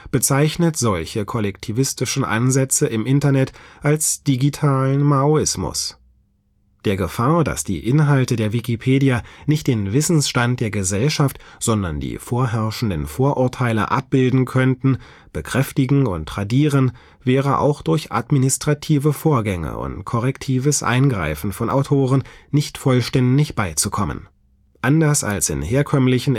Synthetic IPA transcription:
b̥ət͡saɪçnətz̥ɔlçəkʰɔlɛktʰivɪstɪʃn̩ʔa̰nzɛt͡səʔɪmʔɪntɐnɛtʔalsd̥iɡitʰaːlənmaoɪsmʊ̰s | d̥eːɐɡəfaːɐda̰sd̥ḭːʔɪnɦaltədeːɐvikipʰeːdianɪçt̚d̥eːnvɪsn̩sʃtant̚d̥eːɐɡəzɛlʃaftz̥ɔndɐndḭːfoːɐɦɛɐʃn̩dənfoːɐʔʊɐtʰaɪlə̰ʔa̰p̚b̥ɪldn̩kʰœntn̩ | b̥əkʁ̥ɛftɪɡŋ̩ʊ̰ntʁadiːʁən | vɛːʁəʔa̰ʊxd̥ʊɐçʔa̰tminɪstʁ̥atʰiːvəfoːɐɡɛŋə̰ʔʊ̰ntkʰɔʁɛktʰiːvəsʔa̰ɪnɡʁa̰ɪfn̩fɔnʔa̰ʊtʰoːʁənnɪçtfɔlʃtɛndɪçb̥aɪt͡sukʰɔmə̰n | ʔandɐsa̰lsɪ̰nheːɐkʰœmlɪçn̩

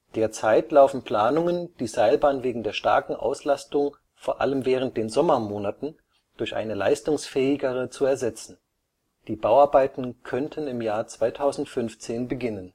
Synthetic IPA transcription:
d̥eːɐt͡saɪtlaʊfn̩pl̥aːnʊŋənd̥iːzaɪlbaːnveːɡŋ̩deːɐʃta̰ɐkŋ̩ʔa̰ʊslastʊŋ | foːɐʔa̰ləmvɛːʁ̞ənt̚d̥eːnzɔmɐmoːnatn̩ | d̥ʊɐçʔa̰ɪnəla̰ɪstʊŋsfɛːɪɡəʁ̞ət͡suɛɐzɛt͡sn̩ | d̥iːbaʊaɐbaɪtn̩kʰœntʰənɪmjaːɐt͡sv̥aɪtʰaʊzn̩tfʏnft͡seːnbəɡɪnən

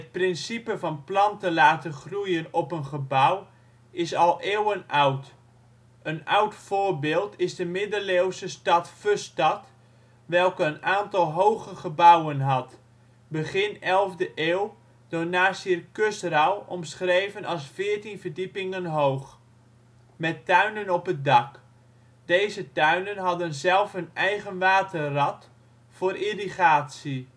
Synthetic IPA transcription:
ɦət̚prɪnsipəvɑnplɑntəlaːtəχrujənɔpənχəbaw | ɪsɑlˠʔeːwənʔawt | əna̰wtfoːrbɪːlˠtʰɪzdəmɪdəleːwsəstɑtføstɑt | ʋɛlˠkəənaːntɑlˠɦowɣəχəbawənɦɑt | bəχɪnɛlˠvdəʔeːw | d̥onaːsirkøstrawɔmsχrejvənɑsfɪːəɹtinvərdipɪŋənɦowχ | mɛtːœɥnənɔpət̚dɑk | d̥ejzətœɥnənɦɑdənzɛlˠfənɛjχənʋaːtʰərɑt | fʊːrʔiriχaːtsi

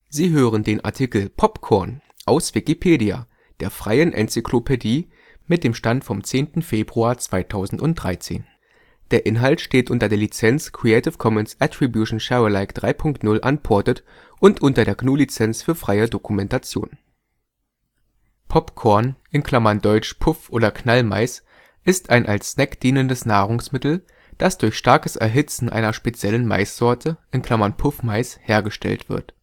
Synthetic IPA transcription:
ziːɦøːʁ̞əndeːnʔa̰ɐtʰikl̩pʰɔpkʰɔɐn | ʔaʊsv̥ɪkipʰeːdia̰ | d̥eːɐfʁ̥aɪənʔɛ̰nt͡sikʰlopʰediː | mɪt̚d̥eːmʃtantfɔmt͡seːntn̩feːbʁuaːɐt͡sv̥aɪtʰaʊzn̩tʊnt̚d̥ʁaɪt͡sḛːn | d̥eːɐʔɪnɦaltʃteːtʔʊntɐdeːɐlit͡sɛnt͡skʁ̥iɛɪtɪfkʰɔmɛnsʔatʁ̥ibjuʃn̩ʃɛʁəlaɪkd̥ʁaɪpʰʊŋktnʊlʔanpʰɔɐtət | ʔʊntʔʊntɐdeːɐɡnuːlit͡sɛnt͡sfyːɐfʁ̥aɪədokumɛntat͡sjo̰ːn | pʰɔpkʰɔɐnʔɪnkʰl̥amɐndɔʏt͡ʃpʰʊfʔoːdɐknalma̰ɪs | ʔɪstaɪnʔalsːnɛkd̥iːnəndəsnaːʁʊŋsmɪtl̩ | d̥asd̥ʊɐçʃtaɐkəsʔɛ̰ɐɦɪt͡sn̩ʔa̰ɪnɐʃpet͡sjɛlənma̰ɪsz̥ɔɐtʰəʔɪnkʰl̥amɐnpʰʊfmaɪsheːɐɡəʃtɛ̰ltv̥ɪ̰ɐt

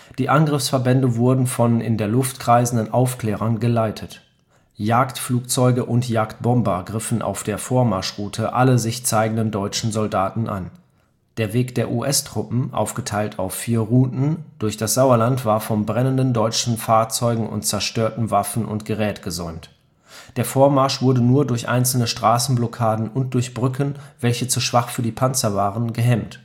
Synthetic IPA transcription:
d̥iːʔanɡʁɪfsfɛɐbɛndəvʊɐdn̩fɔnʔɪ̰ndeːɐlʊftkʁ̥aɪzn̩dənʔaʊfklɛːʁ̞ɐnɡəlaɪtʰət | jaːktfluːkt͡sɔʏɡəʔʊntjaːkt̚b̥ɔmbɐɡʁɪfn̩ʔa̰ʊfd̥eːɐfoːɐmaɐʃʁuːtʰəʔaləzɪçt͡saɪɡŋ̩dəndɔʏt͡ʃn̩zɔldaːtn̩ʔa̰n | d̥eːɐveːkd̥eːɐʔuʔɛstʁ̥ʊpm̩ʔa̰ʊfɡ̥ətʰaɪltʰa̰ʊfːiːɐʁuːtn̩d̥ʊɐçd̥asz̥aʊɐlantv̥aːɐfɔnbʁɛnəndən̩dɔʏt͡ʃn̩faːɐt͡sɔʏɡŋ̩ʔʊ̰ntt͡sɛɐʃtøːɐtn̩vafn̩ʔʊ̰ntɡ̥əʁɛːtɡ̥əzɔʏmt | d̥eːɐfoːɐmaɐʃv̥ʊɐdənuːɐdʊɐçʔa̰ɪnt͡sl̩nəʃtʁ̥aːsn̩blɔkʰaːdn̩ʊnt̚d̥ʊɐçb̥ʁʏkʰənvɛlçət͡suʃv̥aχfyːɐdiːpʰant͡sɐvaːʁənɡəɦɛmt

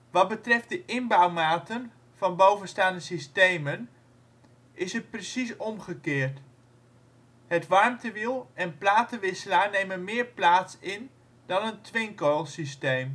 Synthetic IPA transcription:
ʋɑt̚bətrɛft̚dəʔɪnbawmaːtən | v̥ɑnbowvənstaːndəsistejmən | ʔɪsət̚prəsisɔmχəkɪːɹt | hətʋɑɹmtəʋilˠɛnplaːtəʋɪsəlaːɹnejmənmɪːɹplaːtsɪn | dɑnəntʰʋɪŋkolˠsistejm

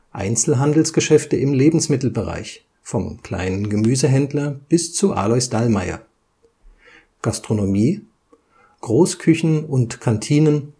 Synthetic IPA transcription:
ʔa̰ɪnt͡sl̩ɦandl̩sɡ̥əʃɛftəɪmleːbm̩smɪtl̩bəʁa̰ɪç | fɔmkl̥a̰ɪnənɡəmyːzəɦɛndlɐb̥ɪst͡suʔa̰ːlɔʏsd̥almaɪɐ̰ | ɡ̥astʁ̥onomiː | ɡ̥ʁoːskʰʏçn̩ʊntkʰantʰiːnən

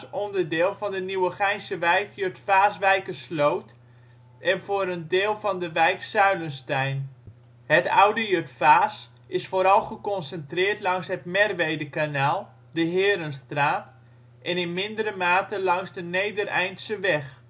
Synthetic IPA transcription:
sɔndərdɪːlˠfɔndəniwəχɛjnsəʋɛjkjøtfaːsʋɛjkəslowt | ɛnfoːɾəndɪːlˠfɔndəʋɛjksœɥlənstɛjn | hətawdəjøtfaːs | ɪsfoːɾɑlˠχəkɔnsəntrɪːrtlɑŋsɦətmɛrʋejdəkanaːlˠ | dəɦɪːəɾənstraːt | ʔɛnɪnmɪndəɾəmaːtəlɑŋsdəneːdərɛjntsəʋɛx

